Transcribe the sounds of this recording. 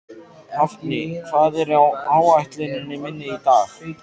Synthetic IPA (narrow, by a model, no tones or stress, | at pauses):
aft̪nɪkʰvaːðɛɾawaːwajht̪lɪnɪnːɪmɪnːɪit̪aːx